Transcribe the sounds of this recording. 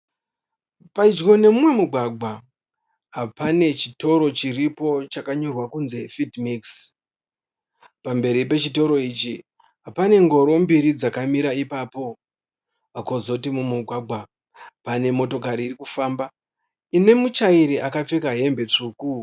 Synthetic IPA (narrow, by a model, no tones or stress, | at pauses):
paid͡ʒɡo̞ne̞mumwe̞muɡʱwaɡʱwa | ɦapane̞t͡ʃito̞ɾo̞t͡ʃiripo̞t͡ʃakaɲo̞rwakunze̞fidmiks | pambe̞ɾipe̞t͡ʃito̞ɾo̞it͡ʃi | ɦapane̞ŋɡo̞ɾo̞mbiɾid͡zakamiɾaipaːpo̞ | akozo̞timumuɡʱaɡʱwa | pane̞mo̞to̞kaɾiːɾikufaːmba | ine̞mut͡ʃaiɾiʔakap͡fekaɦe̞mbe̞t͡ʂuːku